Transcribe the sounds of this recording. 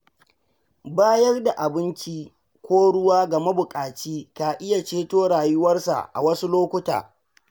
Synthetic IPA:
baː˦jɐ˦rda˨ʔa˨bɪ˦nt͡ʃiː˦ | kʷoː˦ɽʊ˦waː˦ɡɐ˨ma˦bʊ˨kʼaː˨t͡ʃiː˦ka˨ʔɪ˦ja˨t͡ʃeː˦toː˦ɽaː˨jʊ˦wɐ˦rsa̰˨ʔa̰˨wɐ˦su˦loː˦kʷʊ˦ta̰ː˨

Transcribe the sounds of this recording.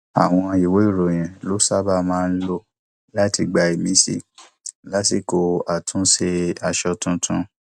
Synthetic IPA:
a̰˨w̃ɔ̃˧i˨we˨˦i˦˨ɾo˨j̃ɛ̃˨lo˨˦sa˦ba˧mãː˦˧n̩˦lo˦ | la˦ti˧ɡ͡ba˧e˨mĩ˨˦sḭ˦˨ | la˦ti˦˨ko˧a˨tʰũ˨˦se˧a˨ʃɔ˧tũ˧tʰũ˧˦

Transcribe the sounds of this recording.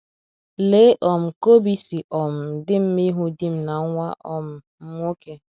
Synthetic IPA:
leː˨˦ʔɔ˨m̩˨ko˦bi˦si˨ʔɔ˨m̩˨dɪ˦m̩˦mi˦ɦu˦di˦m̩˨na˨˦ŋʷa̰˦ʔɔ˨m̩˨ | m̩˦m˦o˦ke˦

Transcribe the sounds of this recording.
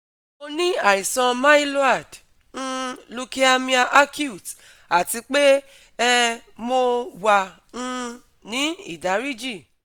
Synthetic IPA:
o˧nĩ˦a˨i˨sã˧mã˦i˦lo˦a˦˨d | ñ̩˦lu˧ki˦a˧mĩ˧a˧ʔa˦kju˦˨t | a˨ti˧k͡pe˦ | ɛ˧mo˧wa˨ | ñ̩˧ | nĩ˨˦ḭ˦˨da˨˦ɾi˦d͡ʒi˦˨

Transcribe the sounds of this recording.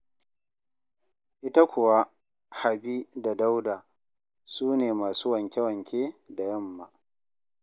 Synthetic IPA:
ʔɪ˦ta˦kʷʊ˨wa˦ | ha˨bi˦da˨da˦wda˨ | suː˦neː˨maː˨suː˦wɐ˨ŋkʲe˦wɐ˨ŋkʲeː˦da˨jɐ˦mːa˦

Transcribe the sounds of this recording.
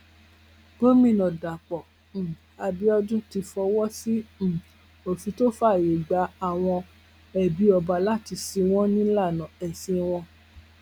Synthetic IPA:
b̥o˦mĩ˦˨nɔ̃˨da˨k͡pɔ̃˨ | a˧bi˦ɔ˧d͡ʒũ˦ti˧fɔ˧wɔ˦sĩ˦˨ | o˨fĩ˨˧˦to˦fa˦˨je˨ɡ͡ba˨˦a˦˨w̃ɔ̃˧ | ɛ˨bi˨˦ɔ˧ba˧la˦ti˧si˧w̃ɔ̃˦nĩ˦la˦˨nã˨ɛ˨sĩ˧w̃ɔ̃˧

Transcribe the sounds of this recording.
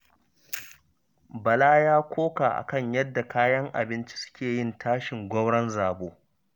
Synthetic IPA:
bɐ˨laː˦jaː˦kʷoː˦kaː˨ʔa̰˨kɐ˦˨ɲjɐ˦dːa˨kaː˦jɐ˦ŋʔa̰˨bɪ˦nt͡ʃi̥˦sʊ̥˦kʲeː˨jɪ˦˨ntʰaː˦ʃɪ˨ŋɡʷɔ˦mɽɐ˦nzaː˨boː˦

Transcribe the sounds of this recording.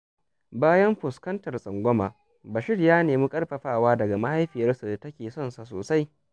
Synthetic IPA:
baː˦jɐ˦mɸʊ˨skɐ˦ntɐ˨rsʼɐ˨ŋɡʷɔ˦maː˨ | ba˨ʃɪ˦ɽjaː˦neː˨muː˦kʼɐ˦rɸɐ˨ɸaː˦˨waː˦dɐ˨ɡa˨ma˦ha˦jɸɪ˨jɐ˦rsu˨tɐ˦kʲeː˨sɔ˦˨nsa˨so̰ː˨sa˦j

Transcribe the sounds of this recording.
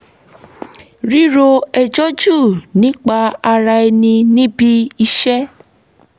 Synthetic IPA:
ɾi˦ɾo˧ɛ˧d͡ʒɔ˦d͡ʒu˦˨nĩ˨˦k͡pa˧a˧ɾa˧e˧nĩ˧nĩ˦bi˦i˧ʃɛ˦

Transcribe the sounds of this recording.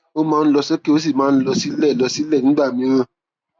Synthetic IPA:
o˦mãː˦˧n̩˦lɔ˧sɔ˦ke˦o˦s̬i˦˨mãː˨˦˧n̩˦lɔ˧si˦lɛ˦˨lɔ˧si˦lɛ˦˨ñ̩˦ɡ͡ba˦˨mĩ˧˦ɾã˧˨

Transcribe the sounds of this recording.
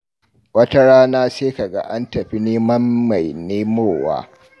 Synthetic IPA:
wɐ˦tɐ˦ɽaː˦naː˦seː˦ka˨ɡa̰˦ʔa˦ntɐ˨ɸi˦neː˦mɐ˦mːa˨jneː˦moː˦˨wa̰ː˦

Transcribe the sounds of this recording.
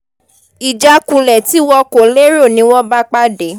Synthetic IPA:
i˨d͡ʒa˧kũ˨˧lɛ˨ti˨˦wɔ˧ko˨le˦ɾo˦˨nĩ˨˦wɔ˦ba˦k͡pa˦de˨˦

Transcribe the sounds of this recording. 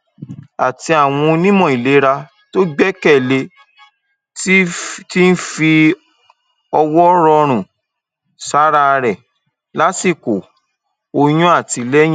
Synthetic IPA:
a̰˨ti˧a˨w̃ɔ̃˧o˧nĩ˦mɔ̃˦˨i˨le˨˦ɾa˧ | to˦ɡ͡bɛ˦kɛ˦˨le˧ | ti˦n̩˦fi˧ | ɔ˧wɔ˦ɾɔ˧ɾ̃ũ˨ | sa˨˦ɾa˧ɾɛ˨ | la˦si˦˨ko˨ | o˧j̃ũ˦a˦˨ti˧lɛ˦jĩ˦

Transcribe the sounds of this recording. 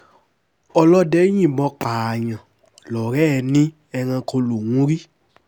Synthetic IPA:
ɔ˧lɔ˦dɛ˦ɲ̃ĩ˦˨bɔ̃˧˦k͡pa˨ɲã˨ | lɔ˨ɾɛː˦˨nĩ˦ | ɛ˧ŋã˧kʰo˧lu˨ŋũ˦ɾi˦

